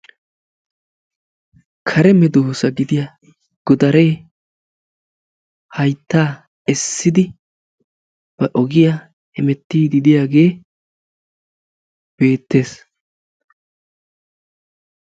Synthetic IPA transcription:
kʰɐɾɛmɛd̪oːsɐɡɪd̪ɪjɐ | ɡ̥ɔd̪ɐɾe̞ː | hɐjt̪ːaː | ɛsːɪd̪ɪ | b̥ɐʔɔɡɪja | hɛmɛt̪ːiːd̪ɪd̪ɪjaːɡe̞ː | b̥e̞ːt̪ːe̞ːs

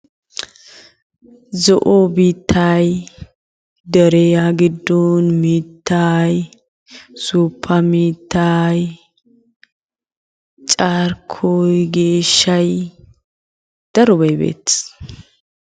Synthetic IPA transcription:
zɔʔobiːt̪ʰːaːj | d̪ɛɾɛjaːɡɪd̪ːɔnmiːt̪ːaːj | suːpʰːɐmiːt̪ːaj | t͡ʃʼaːɾkʰɔjɡeːʃːɐj | d̪̥ɐɾɔbɐjbḛːt̪ːɪ̥s

